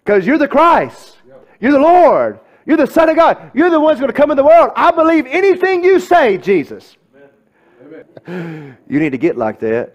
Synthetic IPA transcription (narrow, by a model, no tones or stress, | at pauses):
kʰʌzjə˞ðɨkʰɹ̥aɪs | jə˞ðəlɔɹd̥̚ | jə˞ðɨsʌ̃nʌɡɑjə˞ðəwʌ̃nzɡõnɨkʰʌ̃mə̃nðəwɜ˞lˠdaɪbəlivɛniθɪ̃ŋjɨseɪd͡ʒizɨs | jʔɨ̰ñid̚tʰɨɡɛʔˡla̰ɪk̚ðæt̚